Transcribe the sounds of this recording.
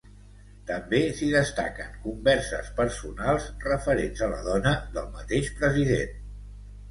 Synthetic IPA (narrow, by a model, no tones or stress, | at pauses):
t̪əmbesiðəst̪a̰kə̰ŋkumbɛɾsə̰spəɾsunalˠzrəfəɾenzələ̰ðɔnəðəlˠmət̪eʃpɾəziðḛn